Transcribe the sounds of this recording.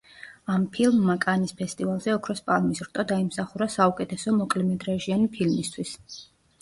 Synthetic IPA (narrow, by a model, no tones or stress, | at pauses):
ampʰilmːakʼanispʰɛst̪ʼivalˠzɛɔkʰɾɔspʼalmisɾt̪ʼɔd̪aimsaχuɾasaukʼɛt̪ʰɛsɔmɔkʼlɛmɛd̪ɾaʒianipʰilmist̪ʰwis